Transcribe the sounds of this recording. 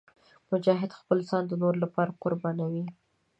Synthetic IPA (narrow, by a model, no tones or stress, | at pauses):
mʊd͡ʒɑɦɪd̪xpəlzɑnd̪ənoɾlapɑɾaqʊɾbɑnawi